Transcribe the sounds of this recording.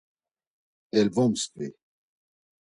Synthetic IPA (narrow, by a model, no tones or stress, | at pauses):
ɛlvɔmst̪ɥe